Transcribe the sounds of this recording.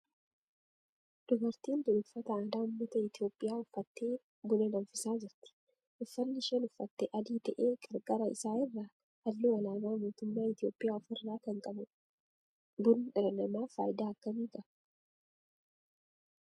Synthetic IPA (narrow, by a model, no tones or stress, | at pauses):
d̪̥ʊɡɐɾt̪iːnd̪ʊlʊfːɐt̪ɐaːd̪aːʊmːɐt̪ɐɪt̪ɪo̞ːpʼːɪjaːʊfːɐt̪ːeː | bʊlɐlɐmfɪsaːd͡ʒɪɾt̪ɪ̥ | ʔʊfːɐnːɪʃɛnʊfːɐt̪ːɛʔɐd̪iːt̪ɐʔeːɡɐɾɡaːɾɐɪ̰saːɪrːaː | hɐlːuːɐlaːɡaːmoːt̪ʊmːaːɪt̪ɪjo̞ːpʼːɪjaːɔfɪrːaːkɐŋkʼɐbʊ | bʊnɪᶑɐlɐnɐmaːfa̰ːjɪd̪aːɐkːɐmiːkʼɐb